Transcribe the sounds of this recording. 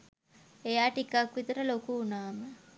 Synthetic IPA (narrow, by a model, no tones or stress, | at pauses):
ejaːʈikakʋit̪əɾəlokuːnaːmə